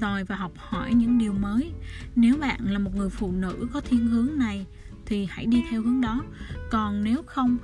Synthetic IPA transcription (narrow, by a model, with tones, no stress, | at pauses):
zɔ˨˩jvaː˨˩ɦɔ˨˩wk͡p̚hɔ˧˩jɲɨ̰˧˥ŋɗi˨˩əwməː˨˦jne˨˦wɓa̰ː˧˨nlaː˨˩mo˨˩ŋɨ˨˩əjfṵ˧˨nɨ̰˧˥kɔ˨˦t̪ʰi˨˧˦ənɦɨ˨˦əŋna˨˩j | t̪ʰi˨˩ha̰˧˩jɗi˧t̪ʰɛ˧whɨ˨˦əŋɗɔ˨˦kɔ˨˩nne˨˦wxə˧wŋ͡m